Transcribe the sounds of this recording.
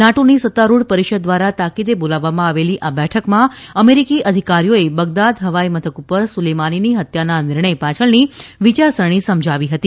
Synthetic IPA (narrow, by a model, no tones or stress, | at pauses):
naʈonisət̪ːaɾuɽpəɾiʃəd̪̚ːʋaɾat̪akid̪ebolaʋːamãaʋeliʔabɛʈʰəkmãəmeɾikiʔəd̪ʱikaɾijoebəɡ̚d̪ad̪ɦəʋaimət̪ʰəkupəɾsulemaniniɦət̪jananɪɾɳəjpat͡ʃʰəɭniʋit͡ʃaɾsəɽ̃isəmd͡ʒʱaʋiɦət̪i